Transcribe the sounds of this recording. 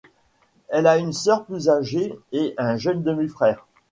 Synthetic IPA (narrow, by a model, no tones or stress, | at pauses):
ɛlaynsœʁplyzaʒeeʔɛ̃ʒənd̪əmifχɛːʁ